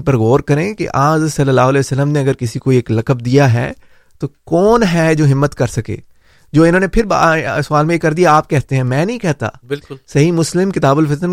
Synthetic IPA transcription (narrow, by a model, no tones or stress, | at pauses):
pɐɾɣɔːɾkɐɾẽkḛʔaːzsɐlːəlaːɦʊlɛːsəlːəmneɐɡəɾkɪsikoieːklɐkəb̚d̪ijaɦɛ̰ː | t̪oːkɔːnɦɛd͡ʒoːɦɪmːət̪kɐɾsɐkḛː | d͡ʒoːɪnɦõːnepʰɪɾba̰sʊaːlmẽjekɐɾd̪ijaaːp̚kɛɦt̪eɦɛ̃ːmɛ̃ːnɐɦĩkɛɦt̪a̰ːbɪlʊlsɐɦimʊslɪmkɪt̪aːbʊlfɪt̪ən